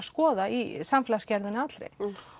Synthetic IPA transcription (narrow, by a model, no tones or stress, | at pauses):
skɔːðaisamfɪlascɛɾðɪnat̪lɾḛ